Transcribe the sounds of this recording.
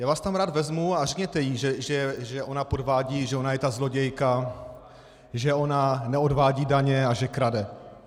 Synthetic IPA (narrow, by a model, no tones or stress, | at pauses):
jaːvaːst̪amɾaːd̪vɛzmuarɛkɲɛt̪ɛjiʒɛʒɛʒɛʔo̞napodvaːɟiːʒɛonajɛt̪azlo̞ɟɛjka | ʒɛo̞nanɛo̞dvaːɟiːdaɲɛaʒɛkɾadɛ